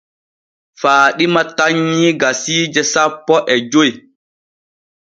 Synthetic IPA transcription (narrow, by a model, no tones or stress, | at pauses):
faːɗimataɲːiɡasiːd͡ʒɛsapːɔʔɛd͡ʒoj